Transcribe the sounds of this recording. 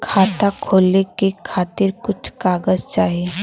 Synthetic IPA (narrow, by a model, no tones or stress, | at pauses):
kʰaːt̪akʰoːlekekʰaːt̪ɪɾkʊt͡ʃʰkaːɡəzt͡ʃaːɦieː